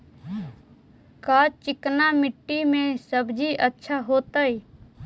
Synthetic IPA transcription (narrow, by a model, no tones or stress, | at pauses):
kaːt͡ʃɪknamɪʈːimẽsəbd͡ʒʱiʔətːʃʰaɦoːt̪əi